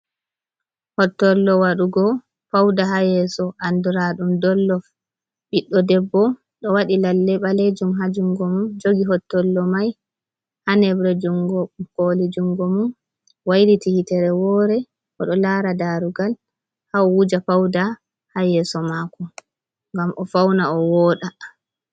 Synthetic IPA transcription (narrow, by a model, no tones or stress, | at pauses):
hɔtːɔlːɔwaɗuɡɔ | pawdaɦajɛsɔʔanduɾaɗumdɔlːɔf | ɓiɗːɔdɛbːɔ | ɗɔwaɗilalːɛɓaled͡ʒumɦad͡ʒuŋɡɔmund͡ʒoɡiɦɔtːɔlːɔmaj | hanɛbɾɛd͡ʒuŋɡɔkolid͡ʒuŋɡɔmun | wajɾitihitɛɾɛwɔːɾɛ | ʔɔɗɔlaɾadaɾuɡal | hawud͡ʒapawda | hajɛsɔmakɔ | ŋɡamʔɔfawnaɔwɔːɗa